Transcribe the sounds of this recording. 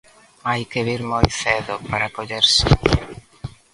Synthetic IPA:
ajkeβiɾmojθeðʊpaɾakoʎeɾsɪ

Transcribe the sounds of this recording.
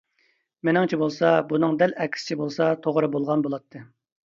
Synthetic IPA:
menɪŋt͡ʃʰibolˠsɑbunɨŋd̪ɛlɛkʲʰɪ̥sɪ̥t͡ʃʰibolˠsɑt̪ʰoʁɾɨbolˠʁɑnbolˠɑt̪ʰːɨ

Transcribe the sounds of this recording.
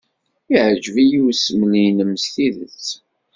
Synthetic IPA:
iʕəd͡ʒəvijuwsmənijnəmsθiðət͡sː

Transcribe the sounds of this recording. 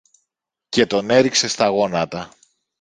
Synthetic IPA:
ce̞t̪o̞ne̞ɾikse̞st̪ɐɣo̞nɐt̪ɐ

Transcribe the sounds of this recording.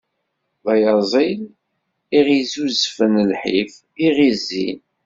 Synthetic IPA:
ðɑjɑzˤil | iʁizuzfənlħif | iʁizin

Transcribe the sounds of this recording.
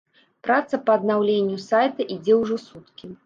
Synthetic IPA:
pɾat̪sɐpɐːd̪nawlʲenʲːjusajt̪ɐʔid͡zʲɛwʐɔsut̪kʲi

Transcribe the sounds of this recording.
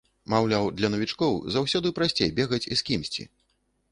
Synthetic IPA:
mawlʲawd̪lʲɐnɐvʲit͡ʂkɔwzawsʲɔd̪ɨpɾasʲt͡sʲejbʲɛɣɐt͡sʲiskʲimsʲt͡sʲḭ

